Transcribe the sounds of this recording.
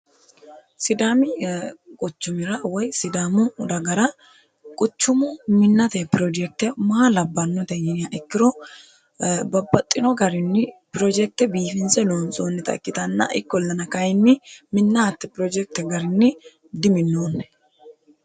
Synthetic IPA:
sɪd̪aːmɪkʼʊt͡ʃːʊmɪɾɐwɔjsɪd̪aːmʊd̪ɐɡɐɾɐ | kʼʊt͡ʃːʊmʊmɪnːɐt̪ɛpɪɾod͡ʒɛk̚t̪ɛmɐɐlɐbːɐnːɔt̪ɛjɪnɪjaʔɪkːɪɾɔ | bɐbːɐt̪ʼːɪnɔɡɐɾɪnːɪpɪɾɔd͡ʒɛk̚t̪ɛbiːfɪnsɛloːnt͡sʼoːnːɛt̪ɐ̰kːɪt̪ɐnːɐ̰ʔɪ̰kːɔlːɐnɐkɐjɪnːɪmɪnːɐɐt̪ːɛpɪɾɔd͡ʒɛk̚t̪ɛɡɐɾɪnːɪ | d̪ɪmɪnːoːnːɛ̥

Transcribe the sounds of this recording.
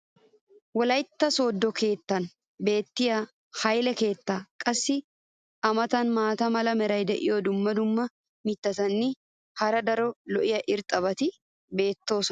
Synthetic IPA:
wɔlɐjt̪ːɐso̞ːd̪ːɔkʰe̞ːt̪ːɐn | be̞ːt̪ːɪjɐ | hɐjlɛke̞ːt̪ːaːkʼɐsːɪ | ʔɐmɐt̪ɐnmaːt̪ɐmɐlɐmɛɾɐjd̪ɛʔɪ̰jod̪ʊmːɐd̪ʊmːɐ | mɪt̪ːɐt̪ɐnːɪ | hɐɾɐd̪ɐɾɔlɔʔɪjɐʔɪɾt̪ʼɐβɐt̪ɪ | be̞ːt̪ːo̞ːsɔ

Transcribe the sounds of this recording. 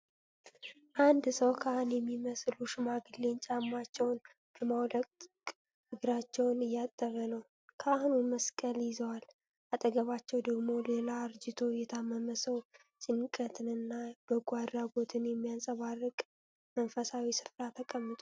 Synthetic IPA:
ʔand̪səwkʰəahunjɛmːiməsluʃɪmaɡɨle̞nt͡ʃʼamːat͡ʃːɛwn | b̥əmawləkʼt̪kʼ | ɨɡɾat͡ʃːɛwnɨjːat̪ʼːəɾənəw | kʰəʔahunuməskʼəljɪzəwal | ʔat̪ʼəɡəβat͡ʃːɛwd̪əɡmo̞lelaɾd͡ʒɪt̪ʰo̞jɛt̪ʰamːəməsəw | t͡ʃʼɪnkʼət̪ʰɨnɨnːab̥əɡʷad̪ɾaɡo̞t̪ʰɨnjɛmːijansʼəβarːɨkʼ | mənfəsawisɨ̥fɾat̪ʰəkʼəmːɨt̪ʼo

